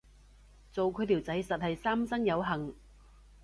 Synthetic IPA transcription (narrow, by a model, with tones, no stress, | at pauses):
t͡so˨wkʰɵ˨˧jt̪ʰiː˨˩wt͡sɐ˨˥jsɐ˨t̚hɐ˨jsaː˥msɐ˥ŋjɐ˨˧wɦɐ˨˩ŋ